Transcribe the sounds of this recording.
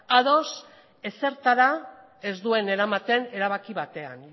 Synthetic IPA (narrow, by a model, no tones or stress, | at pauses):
aðo̞s | e̞se̞ɾt̪aɾa | e̞zd̪ue̞ne̞ɾamat̪e̞ne̞ɾaβ̞akiβat̪e̞a̰n